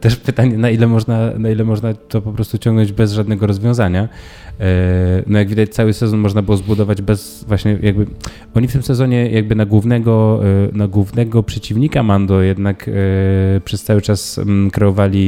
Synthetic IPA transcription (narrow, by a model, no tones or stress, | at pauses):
t̪ɛʂpɘt̪aɲɛnailɛmɔʐnanailɛmɔʐnat̪ɔpɔpɾɔst̪ut͡ɕɔ̃ŋɡnɔ̃ɲd͡ʑbɛzʐad̪nɛɡɔɾɔzvʲjɔ̃w̃zaɲa | nɔjaɡvʲid̪at͡ɕt̪sawɘsɛzɔnmɔʐnabɘwɔzbud̪ɔvad͡ʑbɛsvwaɕɲɛjʔaɡ̚bɘ | ɔɲift̪ɘmsɛzɔɲɛjaɡ̚bɘnaɡwuvnɛɡɔnaɡwuvnɛɡɔpʂɛt͡ɕivɲikamand̪ɔjɛd̪nak | pʂɛst̪sawɘt͡ʂaskɾɛɔvalʲi